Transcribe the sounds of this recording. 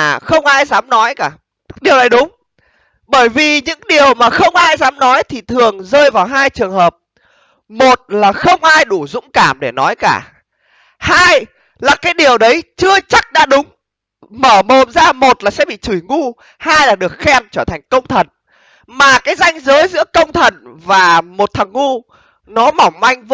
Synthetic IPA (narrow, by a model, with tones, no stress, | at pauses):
xə˧wŋ͡mʔaː˧jzaː˨˦mnɔ˨˦jkaː˧˩ | ɗi˨˩əwna˨˩jɗʊ˨˦ŋ͡m | ɓəː˧˩jvi˨˩ɲɨ̰˧˥ŋɗi˨˩əwmaː˨˩xə˧wŋ͡mʔaː˧jzaː˨˦mnɔ˨˦jt̪ʰi˨˩t̪ʰɨ˨˩əŋzəː˧jvaː˨˩wɦaː˧jt͡ɕɨ˨˩əŋhəː˨˩p̚ | mo˨˩t̚laː˨˩xə˧wŋ͡mʔaː˧jɗu˧˩zʊ̰˧˥ŋ͡mkaː˧˩mɗe˧˩nɔ˨˦jka̰ː˧˩ | haː˧j | laː˨˩kaː˨˦jɗi˨˩əwɗə˨˦jt͡ɕɨ˧ət͡ɕa˦˥k̚ɗa̰ː˧˥ɗʊ˨˦ŋ͡m | məː˧˩mo˨˩nzaː˧mo˨˩t̚laː˨˩sɛ̰˧˥ɓḭ˧˨t͡ɕu˧˩jŋu˧ | haː˧jlaː˨˩ɗɨ˨˩ə˩k̚xɛ˧mt͡ɕəː˧˩t̪ʰa˨˩jŋ̟kə˧wŋ͡mt̪ʰə˨˩n | maː˨˩kaː˨˦jza˧jŋ̟zəː˨˦jzɨ̰˧˥əkə˧wŋ͡mt̪ʰə˨˩nvaː˨˩mo˨˩t̚t̪ʰə˨˩ŋːu˧ | nɔ˨˦ma˧˩wma˧jŋ̟v